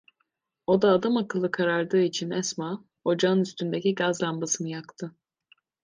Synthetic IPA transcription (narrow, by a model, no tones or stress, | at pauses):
o̞d̪aːd̪amakɯlˠːɯkʰaɾaɾd̪ɯːit͡ʃʰinɛsma | o̞d͡ʒaɯnyst̪ynd̪eciɡazlˠanbasɯmɯjakt̪ʰɯ